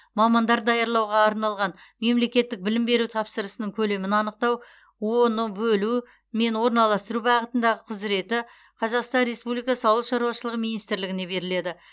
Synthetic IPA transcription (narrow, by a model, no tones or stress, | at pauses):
mɑmɑnd̪ɑɾd̪ɑjɑɾlˠɑwʁɑːɾnɑlˠʁɑnme̞mle̞kʲe̞t̪ːɪk̚bɪlɪmbe̞ɾut̪ʰɑpsəɾəsənəŋkʲʰɵle̞mɪnɑnəq̚t̪ɑw | wo̞nəbɵlu | me̞nwo̞ɾnɑlˠɑst̪əɾubɑʁət̪ənd̪ɑʁəqʰʊzɪɾe̞t̪ɪ | qʰɑzɑqst̪ɑnɾe̞spublijkɑsəɑlˠəʃɑɾuɑʃəlˠəʁəmijnijst̪ɾlɪɡʲɪne̞be̞ɾɪle̞d̪ɪ